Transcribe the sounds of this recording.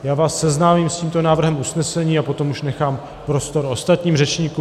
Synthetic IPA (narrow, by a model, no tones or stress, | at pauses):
jaːvaːsːɛznaːmimsciːmt̪o̞naːvr̩ɦɛmusnɛsɛɲiːapo̞t̪o̞muʃnɛxaːm | pɾo̞st̪o̞ɾo̞st̪at̪ɲiːmrɛt͡ʃɲiːku